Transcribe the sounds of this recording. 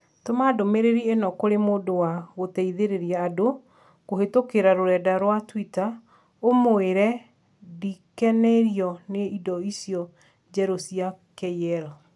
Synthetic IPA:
tomadomeɾeɾienɔkoɾemoːdowaɣotɛiðeɾeɾiaːdo | koɦetokeɾaɾoɾɛdaɾwatwita | omoeɾɛ | dikɛnɛɾiɔneidɔisijɔ | d͡ʒɛɾosia | kɛjɛɾɔ

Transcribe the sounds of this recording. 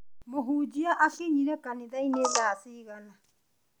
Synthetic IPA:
moɦuːd͡ʒiaʔakiɲiɾɛkanɪðaineðaːsiːɣana

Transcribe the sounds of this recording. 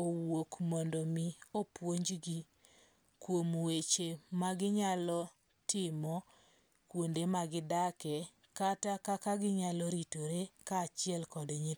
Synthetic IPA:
owokmɔndɔmiopwoɲd͡ʒɡi | kwomwet͡ʃemaɡɪɲalɔ | tɪmɔ | kwondemaɡɪdakɛ | katakakaɡɪɲalɔɾitoɾekat͡ʃɪɛlkɔdɲi

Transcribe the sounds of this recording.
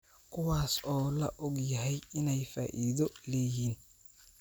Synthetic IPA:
kʰʊwaːsɔːlɐ̰ʔɔɡjɐɦɛjɪnɛjfa̰ːʔiːðɔlɛːjiːn

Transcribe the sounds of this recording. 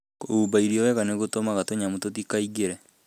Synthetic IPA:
oubaiɾiɔwɛɣaneɣotomaɣatoɲamototikaiɡeɾɛ

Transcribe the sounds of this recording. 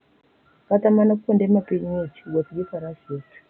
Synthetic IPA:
katamanak̬ukondemapeɲet͡ʃi̥ɡwat͡siɡesaɾaʃio̥

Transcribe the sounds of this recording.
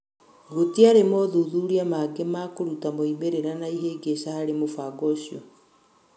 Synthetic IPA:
ɡotiaɾemɔðuðuɾiamaːɡemaːkoɾutamoimeɾeɾanaiɦeːɡeɕahaɾemofaɡɔɕjɔ

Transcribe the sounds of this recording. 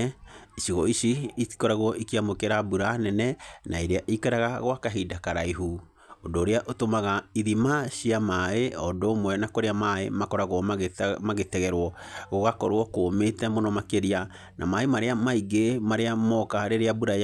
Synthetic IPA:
iʃiɣɔiɕiii̥kɔɾaɣɔikiamokeɾabuɾanɛnɛnaeɾeaʔikaɾaɣaɣwakaɦidakaɾaiɦu | odoːɾeaʔotomaɣaiðimaɕiamaeɔdomwɛnakoɾeamaḛmakɔɾaɣwɔmamaɣetɛɣɛɾwɔ | ɣoɣakɔɾwɔkometɛmonɔmakeɾia | na̰maemaɾeamaiɡemaɾeamɔkaɾeɾeabuɾa

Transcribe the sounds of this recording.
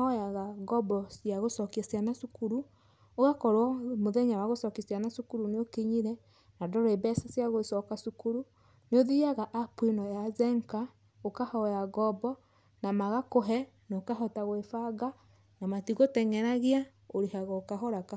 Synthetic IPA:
ɔjaɣaɣɔbɔsjaɣosɔkiasjanasukuɾu | oɣakɔɾwɔmoðɛɲawaɣosɔkisjanasukuɾuneokeɲiɾɛ | nadɔɾɔebɛsasjaɣosɔkasukuɾu | neoðiaɣaʔapwinɔjazɛŋka | okahɔjaɣɔbɔ | namaɣakoɦɛ | nokaɦɔtaɣwefaɡa | namatiɣotɛŋɛɾaɣea | oɾehaɣɔokaɦɔɾaka

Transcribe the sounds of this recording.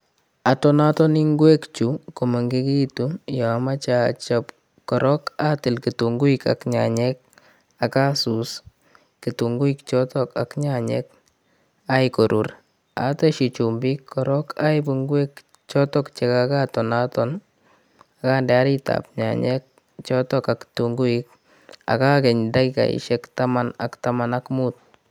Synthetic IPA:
atɔnatɔniŋɡwekt͡ʃukomɔŋɡikitujɔmat͡ʃat͡ʃɔp | kɔɾʔɔkatɪlkituŋɡuika̰kɲa̰ɲɛk̚ | akasus | kituŋɡuikt͡ʃɔtɔka̰kɲaɲɛ̰k̚ | ajkoɾʔur | a̰tɔʃit͡ʃumbikʰːɔɾɔkajbuŋɡwek | t͡ʃɔtɔkt͡ʃɛkakatɔnatɔn | akaːndɛaɾita̰p̚ɲa̰ɲɛk̚ | t͡ʃɔtɔkaktuŋɡuik̚ | a̰kakɛɲdakika̰ḭʃɛktamana̰ktamanakmut̚

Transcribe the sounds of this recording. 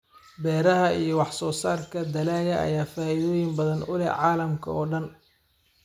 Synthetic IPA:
bɛːɾɐɦɐijɞwɑħsɔːsaːrkʰɐd̪ɐlaːjɐʔɐ̰jaːfaːɪðɔːjɪmbɐðɐnʊlɛ̰ʕɑːlɐmkʰɐ̰ɔːɖɐn

